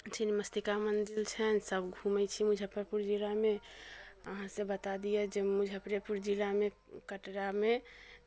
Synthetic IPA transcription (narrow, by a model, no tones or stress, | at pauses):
t͡ʃʰinməst̪ikamənd̪ilt͡ʃʰɛnsəbɡʱumɛt͡ʃʰimʊd͡ʒʱəpəɾpuɾd͡ʒilame | əɦãsebət̪ad̪ijɛd͡ʒemʊd͡ʒʱəpɾepuɾd͡ʒilamẽ | kəʈɾame